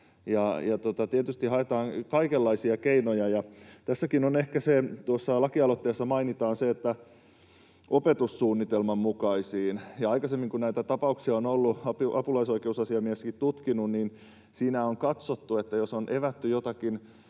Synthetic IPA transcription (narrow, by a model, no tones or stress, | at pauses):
jɑjɑt̪ot̪ɑt̪iæt̪yst̪ihɦɑet̪ɑːŋkɑikelːɑisiɑkeinojɑjɑt̪æsːækinonehkæset̪uosːɑlɑkiɑlot̪ːeːsːɑmɑinit̪ɑːnseet̪ːæ | ʔopet̪ussuːnːit̪elmɑmmukɑisiːnjɑɑikɑsemːiŋkunnæit̪æt̪ɑpɑuksiɑonolːuɑpuʔɑpulɑisoikeusɑsiɑmiæskit̪t̪ut̪kinunniːn | siːnæoŋkɑt̪sot̪ːuet̪ːæjosonʔeʋæt̪ːyjot̪ɑkin